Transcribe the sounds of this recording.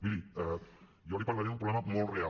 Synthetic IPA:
biɾiɛ | joɾipaɾlaɾeaðumpɾolemamolrea

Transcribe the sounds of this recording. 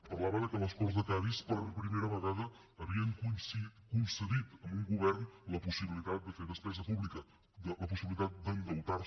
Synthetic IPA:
pəɾlaβəðəkələskɔrzðəkaðispəɾmpɾimeɾəβəɣaðəː | βiəŋkunsikunsəðit̪əmbuŋɡuβ̞ɛrnləpusiβilit̪at̪̚d̪əfeðəspɛzəpuβlikə | d̪ələpusiβilit̪at̪̚d̪əŋɡəwt̪aɾ

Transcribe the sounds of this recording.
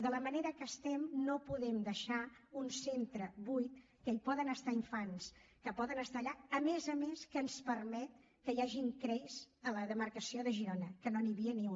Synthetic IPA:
ðələməneɾəkəst̪ɛmnopuðɛmd̪əʃaunsent̪ɾəβujt̪̚ | kəipɔðənəst̪aiɱfanskəpɔðənəst̪aːʎaəmezəmeskəːnspərmɛt̪̚ | kəjaʒiŋkɾɛjzələðəmərkəsioðəʒiɾonəkənoniβiəniu

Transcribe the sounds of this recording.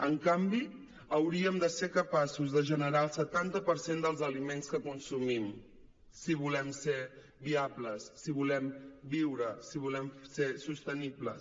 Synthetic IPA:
əŋkambi | əwɾiəmd̪əsekəpasuzðəʒənəɾaəlˠsət̪ant̪əpəɾsend̪əlˠzəlimenskəkunsumim | siβ̞ulɛmse | biabləsːiβulɛmbiwɾəsiβ̞ulɛmsesust̪ənibləs

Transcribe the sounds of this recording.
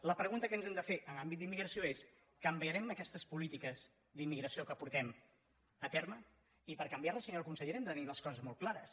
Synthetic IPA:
ləpɾəɣunt̪əkənzɛmd̪əfeʔənambit̪̚d̪imːiɣɾəsioes | kəmbiəɾɛməkɛst̪əspulit̪ikəz | d̪imːiɣɾəsiokəpuɾt̪ɛm | ət̪ɛɾmə | ipəɾkəmbiaɾəlˠsəɲolkunsəʎeɾɛmd̪ət̪əniləskɔzəzmolˠklˠaɾəs

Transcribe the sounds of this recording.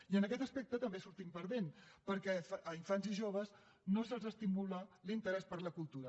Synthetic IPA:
iənəkɛt̪əspɛk̚t̪ət̪əmbesuɾt̪impəɾðenpəɾkɛfʔəiɱfanziʒoβ̞əz | nozalˠzəst̪imulalint̪əɾɛspəɾləkulˠt̪uɾə

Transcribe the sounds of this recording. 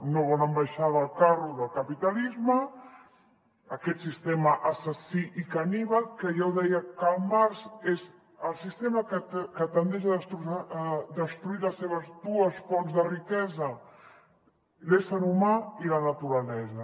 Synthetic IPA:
noβonəmbajʃaβəːlˠkaruðəlˠkɐpit̪alizmə | kɛt̪sist̪ɛmɐʔasəsiʔikaniβakəʒawðɛjəkəlˠmaɾzez | əlˠsist̪emɐkəkət̪ənd̪ɛʃaðəst̪ɾuaːðəst̪ɾuiləsːeβəzd̪uəsfɔnzðərikɛzɐ | lesəɾumailɐnat̪uɾalɛzɐ

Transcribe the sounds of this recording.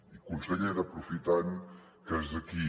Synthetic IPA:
ikunsəʎeɾəpɾufit̪an | kəzðəki

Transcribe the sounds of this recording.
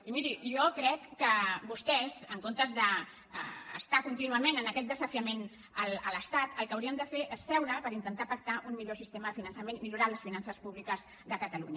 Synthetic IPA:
imiɾiʒɔkɾɛkːəbust̪ɛz̥əŋkont̪əzðə̰ː | st̪akunt̪inuəmenənəkɛt̪̚d̪əzəfiəmen | ələləst̪at̪əlˠkəwɾiəmd̪əfeʔesːɛwɾəpəɾint̪ənt̪apək̚t̪aʔummiʎosist̪eməðəfinənsəmenimiʎuɾaləsfinansəspuβlikəz | ðəkət̪əlṵɲə

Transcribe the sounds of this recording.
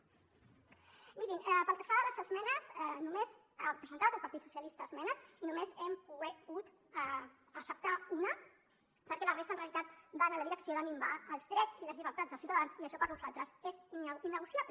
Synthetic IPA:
miɾinɛpəlˠkəfaðələzəzmɛnəzɛnumez | arəpɾəzənt̪at̪əlpɐɾt̪it̪su̥sjəlist̪əːzmɛnəsinumezɛmpuɣɛɣut̪ | əsəp̚t̪aunə | pəɾkɛlərest̪ənreəlit̪at̪banələðiləksioðəmimbaəlˠzðɾɛt͡siləzliβəɾt̪at̪d͡zzðəlsiuwt̪aðansiəʃɔpəɾnuzalˠt̪ɾəsezininːəɣusjaplə

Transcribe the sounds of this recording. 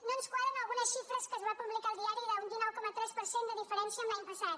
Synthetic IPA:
nõnuskwaðɾɐnalˠɣunɐsʃifɾɐskəɐzβapuβlikaɾlˠðiaɾjuðaũnd̪inɔwkɔmɐt̪ɾɛspəɾsẽnt̪d̪əðifəɾẽnsjɐmajipesaɾ

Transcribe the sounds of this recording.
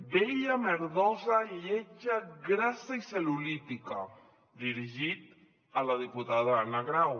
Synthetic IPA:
beʎameɾðɔzaʎeʒaɡɾasaiselulit̪ika | d̪iɾiʒit̪ | əlaðiput̪aðaanaɣɾaw

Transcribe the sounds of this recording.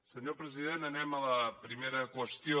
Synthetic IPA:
səɲoɾpɾəziðent̪ɐnɛmɐlɐpɾimeɾɐkwəʃt̪jo

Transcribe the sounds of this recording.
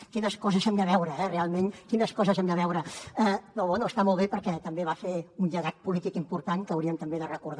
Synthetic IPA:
kinəskɔzəzɛmd̪əβɛwɾəɛrealˠmeŋkinəskɔzəzɛmd̪əβɛwɾəɛnɔβɛnuəst̪amɔlˠβepəɾkɛt̪əmbeβafeunʎəɣat̪̚pulit̪ikimpuɾt̪aŋkəːwɾiəmt̪əmbeðərəkuɾð

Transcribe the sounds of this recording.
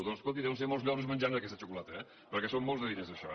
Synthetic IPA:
ðolskolnt̪iðɛβwəns̬emolˠzʎɔnəzmənʲd͡ʒand̪əkɛst̪ət͡ʃukulat̪əɛ | pəɾkɛsommːolˠzðəðiɾezðəʃɔ̰

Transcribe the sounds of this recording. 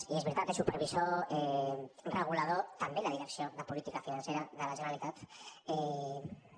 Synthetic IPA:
iezβiɾt̪at̪esupəɾβizoɛrəɣ̞ulað̞ot̪əmbelaðiɾəksioðəpulit̪ikafinanseɾaðəlaʒənalit̪at̪ɛ

